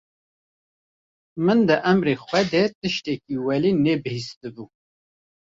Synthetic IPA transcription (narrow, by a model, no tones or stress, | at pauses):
mɨnd̪ɨʔæmɾexʷɛd̪ɛt̪ɨʃt̪ɛk̚iːwɛlinɛbɨhist̪ɨbu